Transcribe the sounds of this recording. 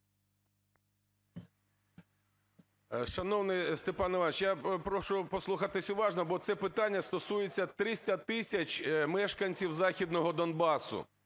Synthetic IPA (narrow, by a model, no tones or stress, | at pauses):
ʃɐnɔwnɪst̪epɑnɔʋɑnt͡ʃjapɾɔʃʊpɔslˠuxɑt̪ɪsʲʊʋɑʒnɔbɔt̪sɛpɪt̪ɑnʲːɐst̪ɔsujet͡sʲːɐt̪ɾɪsʲtʲɐt̪ɪsʲɐt͡ʃʲmɛʃkɐnʲt͡sʲiwzɑxʲid̪nɔɦɔd̪ɔnbɑsʊ̰